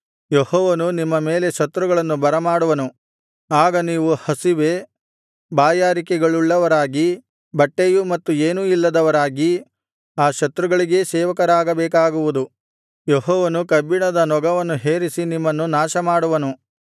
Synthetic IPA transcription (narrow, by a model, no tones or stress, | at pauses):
jehɔːʋɐnunimːɐme̞ːle̞ʃɐt̪ɾuɡɐɭɐnːubɐɾɐmaːɽuʋɐnu | aːɡɐniːʋuhɐsiʋeː | baːjaːɾikɛɡɐɭuɭːɐʋɐɾaːɡi | bɐʈːejumɐt̪ːueːnuilːɐd̪ɐʋɐɾaːɡi | aːʃɐt̪ɾuɡɐɭiɡe̞ːsɛːʋɐkɐɾaːɡɐbɛːk̬aːɡuʋud̪u | jeɦɔːʋɐnukɐbiɳɐd̪ɐnɔɡɐʋɐnːuɦeːɾisinimːɐnːunaːʃɐmaːɽuʋɐnu